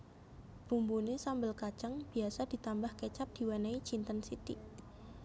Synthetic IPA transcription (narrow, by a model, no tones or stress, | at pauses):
b̥umbunesambəlkat͡ʃaŋb̥i̤asad̥i̤t̪ambahket͡ʃap̚d̪̥i̤wanait͡ʃint̪ənsit̪ḭ